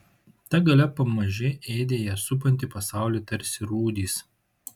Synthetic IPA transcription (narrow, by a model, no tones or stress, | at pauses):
t̪ɐɡɐlʲɛpɐmɐʒʲɪʔɛːɪd̪ʲeːjɛsʊp̬ɐnʲt̪ʲɪˑpɐsɑˑʊlʲiːt̪ɐɾʲsʲɪɾuːd̪ʲiːs